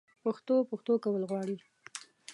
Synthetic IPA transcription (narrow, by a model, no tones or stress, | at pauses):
pəxt̪opəxt̪okawəlɣwɑɽi